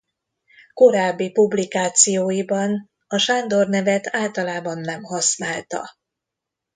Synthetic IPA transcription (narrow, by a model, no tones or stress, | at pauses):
ko̞ɾaːbːipublikaːt̪sijoːjibɒn | ɒʃaːnd̪o̞rnɛvɛt̪ʰaːlt̪ɒlaːbɒnːɛmɦɒsnaːlt̪ɒ̰